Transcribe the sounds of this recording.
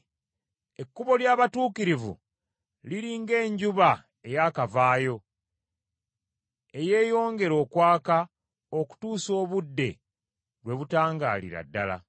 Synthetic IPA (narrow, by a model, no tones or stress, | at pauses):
e̞kːuβo̞ljaːβatuːkiɾivṵ | liɾiːŋɡe̞ːɲɟuβa | e̞jaːkavaːjo̞ | e̞je̞ːjo̞ːŋɡe̞ɾo̞ːkwaːka | o̞ku̥tuːso̞ːβudːe̞ | ɾlwe̞βutaːŋɡa̰ːlḭɾa̰dːala̰